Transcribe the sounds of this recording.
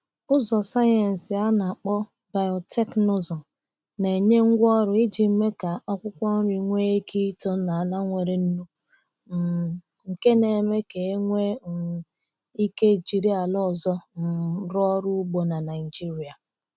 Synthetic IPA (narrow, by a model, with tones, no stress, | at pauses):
ʊ˦zɔ˨sa˦je˨n̩˨sɪ˨a˦na˨k͡pɔ˦ | ba˨jɔ˨tʰe˦kno˦zɔ˨ | ne˨ɲe˦ŋ̩˦ɡʷɔ˦ɾʊ˨i˦d͡ʒi˨m̩˦me˦ka˨ɔ˦kʷʊ˦kʷɔ˦n̩˦ɾi˨ŋʷe˦e˦kʰi˦to˦na˨a˨la˦ŋʷe˨ɾe˨n̩˦nu˦˨ | ŋ̩˨ke˦ne˨me˦ke˨˦ŋʷe˦˨ | i˦ke˦˨d͡ʒi˨ɾi˦a˨lɔ˦˨zɔ˦n̩˨ɾɔ˦ɔ˦ɾʊ˦ɡ͡bo˨na˨na˨ɪ˨d͡ʒi˦ɾi˨a˨